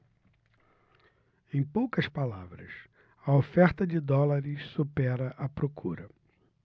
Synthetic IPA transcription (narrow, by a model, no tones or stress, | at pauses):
ẽj̃powkɐspalavɾɐ̰s | ɐofɛɾt̪ɐd͡ʒɪd̪ɔlaɾɪssupɛɾɐʔɐpɾokʰuɾɐ